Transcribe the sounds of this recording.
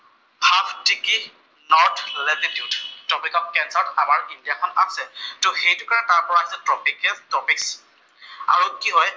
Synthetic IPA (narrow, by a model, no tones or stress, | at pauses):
bʱabtiki | nɔtlɛtitjudtɔpikɔp̚kɛnsaɹtamaɹindijakʰɔnasɛtʊxejtʊkaɹɛtaɹpɔɹaɦisɛtɔpikɛtɔpiks | a̰ɹukiɦɔj